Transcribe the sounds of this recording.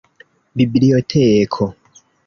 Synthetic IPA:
bibiɾijotʰekʰo

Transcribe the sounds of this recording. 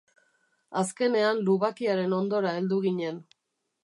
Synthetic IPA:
aske̞ne̞anluβakiaɾe̞no̞nd̪o̞ɾae̞ld̪uɣiɲe̞n

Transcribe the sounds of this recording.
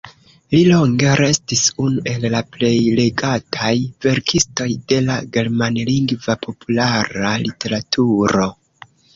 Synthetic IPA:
lilo̞ŋɡe̞ɾe̞stisunuʔe̞lːaple̞jle̞ɡatʰajve̞ɾkʰisto̞jde̞laɡe̞ɾmanliŋɡvapʰo̞pulaɾalite̞ɾatʰuɾo̞

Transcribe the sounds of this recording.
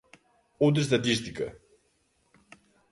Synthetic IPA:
owt̪̬ɾɐʃ̬t̪ɐt̪̬iʃt̪ikɐ̰

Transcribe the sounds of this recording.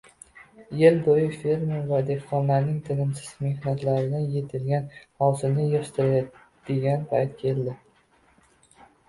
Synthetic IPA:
jelb̪ojɪfeɾmavad̪e̞hqɒnlaɾnɪŋt̪ʰɪnɪmsɪz̥me̞hnat̪laɾɪd̪anje̞t̪ʰɪlɡʲanhɒwsɪnɪjɪʃt̪ɪɾ | d̪̥eɡʲanpʰajt̪̚kʲʰe̞ld̪ɪ

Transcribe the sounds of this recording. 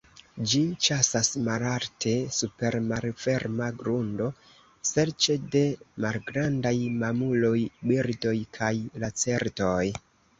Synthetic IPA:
d͡ʒit͡ʃasasmalaltʰe̞supe̞ɾmaɾfe̞ɾmaɡɾundo̞ | se̞ɾt͡ʃe̞de̞malɡɾandajmamulo̞jbiɾdo̞jkʰajlat͡se̞ɾto̞j

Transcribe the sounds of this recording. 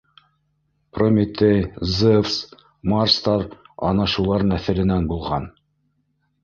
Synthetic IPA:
promʲit̪ʲejzefs | mɑrst̪ɑɾɑ̰nɑʃulˠɑɾnæθɘ̆lɘ̆nænbulˠʁɑn

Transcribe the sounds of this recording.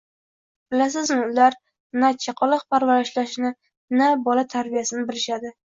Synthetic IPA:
b̥ɪlas̬ɪzmɪʊlaɾ | nat͡ʃʰaqʰɒlˠɑqpʰaɾvaɾɪʃlaʃnɪ | nabɒlat̪ʰaɾbijasɪnɪbɪlɪʃad̪ɪ

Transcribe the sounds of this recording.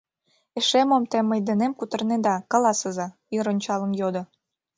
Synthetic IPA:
eʃemomt̪emːəjd̪enemkut̪ɤ̆rned̪ɑkɑlɑsəzɑ | iɾonʲt͡ɕɑlə̆njod̪ŏ

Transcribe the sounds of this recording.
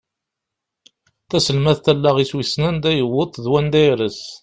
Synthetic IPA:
θæsəlmæθt̪ælːæʁiswisnænd̪æjəwət̪ˤːðwænd̪æjɾəs

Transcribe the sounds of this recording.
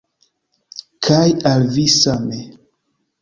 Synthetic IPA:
kʰajalvisame

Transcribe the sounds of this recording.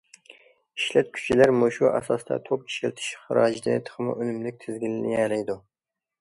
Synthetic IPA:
iʃlɛt̪̚kʲʰy̥t͡ʃʰilæɾmuʃuʔɑ̰sɑst̪ʰɑ̰t̪ʰop̚ʰi̥ʃelt̪ʰɪ̥ʃχəɾɑːd͡ʒid̪ɨt̪ʰə̥χɨmɨ̰ʔønymlɪk̚ʲt̪ʰɪzɡʲilɪnḭɛlɛjd̪u

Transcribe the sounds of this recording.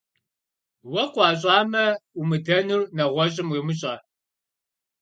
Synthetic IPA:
wɐqʷɑːɕʼɑːmɐumɨdɐnurnɐʁʷɔʑʼɪmwiːmɨɕʼɐː

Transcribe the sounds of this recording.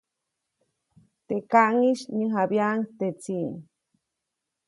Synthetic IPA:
t̪ekaʔŋiʃɲəɦabjaŋt̪et͡siŋ

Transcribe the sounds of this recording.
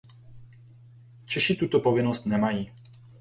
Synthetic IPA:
t͡ʃɛʃit̪ut̪opovɪnost̪nɛmajiː

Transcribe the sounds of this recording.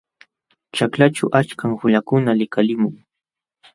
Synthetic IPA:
t͡ʃaklat͡ʃʊʔat͡ʃkaŋhʊʎakʊnalɪkalɪmʊŋ

